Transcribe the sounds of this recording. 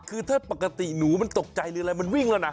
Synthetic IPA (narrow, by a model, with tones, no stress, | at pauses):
kʰɯː˧t̪ʰaː˥˩pa˨˩kːa˧t̪i˨˩nuː˩˦ma˧nt̪o˨˩k̚t͡ɕa˧jlɯː˧ʔɾa˧jma˧nwi˥˩ŋlɛː˦˥˩wna˦˥